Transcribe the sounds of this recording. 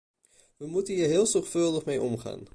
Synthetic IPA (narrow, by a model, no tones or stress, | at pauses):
ʋəmutənɦiːɹɦɪːlˠzɔχfølˠdəχmejʔɔmχa̰ːn